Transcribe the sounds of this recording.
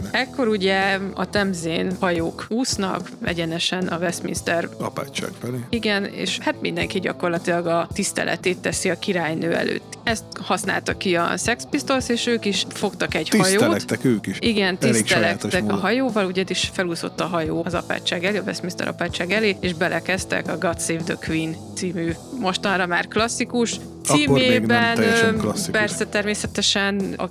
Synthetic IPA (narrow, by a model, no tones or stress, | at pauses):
ɛkːo̞ɾuɟɛɒ̰t̪ɛmzeːnhɒjoːkuːsnɒ̰kvɛ̰ɟɛnɛʃɛnɒvɛsmḭnst̪ɛrɒ̰pa̰ːt͡ʃːa̰ːkfɛleːiɡɛnḛːʃhaːt̪mind̪ɛ̰ŋkiɟɒ̰ko̞rlɒt̪ilɒɡɒt̪ist̪ɛ̰lʔɛ̰t̪eːt̪ːɛsiɒkiɾaːjnøːɛ̰lø̰ːt̪ːɛst̪hɒsna̰ːlt̪ɒkiɒ̰sɛkspist̪o̞lseːʃøːkiʃfo̞kt̪ɒkɛɟhɒsjoːt̪ɛkøːkiʃiɡɛnt̪ilst̪ɛlɛk̪t̪ɛɦɒjoːvɒluɟɛd̪iʃfɛluːzo̞̰t̪ːɒɦɒjoːɒzɒ̰pa̰ːt͡ʃːaːɡɛleːɒvɛ̰sminst̪ɛ̰ɾɒ̰paːt͡ʃːaːɡɛleːeʒbɛlʔɛkɛst̪ɛ̰kɒɡɒt̪seːvd̪økʋint̪siːmy | mo̞ʃt̪ɒnrɒma̰ːrklɒsːikuʃ | t̪siːmeːbɛnpɛrsɛt̪ɛrmeːsɛt̪ɛʃɛnɒ̰